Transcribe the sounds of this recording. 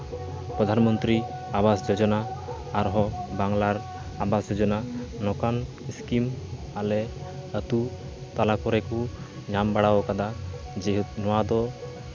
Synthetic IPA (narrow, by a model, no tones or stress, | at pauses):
pɾɔd̪ʱanmɔnt̪ɾi | abasd͡ʒɔd͡ʒɔnaː | ɾɦɔbaŋlaɾ | abasd͡ʒɔd͡ʒɔnanɔkan | iskim | alɛət̪u | t̪alakɔɾɛku | ɲambaɽawɔkad̪ad͡ʒɛɦnɔwad̪ɔ